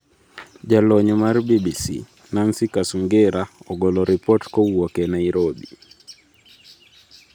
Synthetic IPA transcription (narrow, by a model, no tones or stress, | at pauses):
d͡ʒalɔɲɔmarbibisḭ | nansikasuŋɡeɾaɔɡolɔɾipɔtkɔwɔkɛnaiɾobi